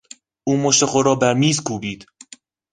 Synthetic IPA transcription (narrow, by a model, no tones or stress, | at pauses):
ʔuːmoʃt̪eχoɾɒːbæɾmiːzkʰuːbiːd̪̥